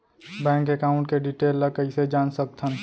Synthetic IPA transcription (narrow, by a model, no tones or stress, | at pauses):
bɛ̃ːŋkekaːʊ̃ɳʈ̚keɖiʈeːlːəkəɪsed͡ʒaːnsək̚t̪ʰən